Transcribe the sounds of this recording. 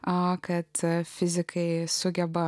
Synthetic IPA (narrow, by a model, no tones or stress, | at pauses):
ɐkɐt̪fʲɪzʲɪkʰɐɪsʊɡʲɛbɐ